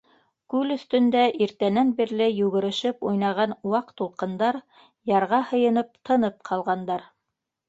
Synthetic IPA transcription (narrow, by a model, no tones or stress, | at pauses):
kʉlɵ̆θt̪ɵ̆nd̪æʔiɾt̪ænænbiɾlɘjʉɣɘ̆ɾɘ̆ʃɘpujnɑʁɑnwɑqt̪ːulˠqɤ̆nd̪ɑɾ | jɑɾʁɑhɤ̆jɤ̆nɤp̚t̪ʰɤ̆nɤp̚qʰɑlˠʁɑnd̪ɑɾ